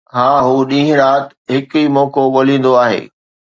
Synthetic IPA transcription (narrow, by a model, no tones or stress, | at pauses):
hãːɦuːɗĩːɦɪ̃ɾaːt̪ | ɦɪkiːmɔːkoɠoːlĩːn̆d̪oaːɦḛː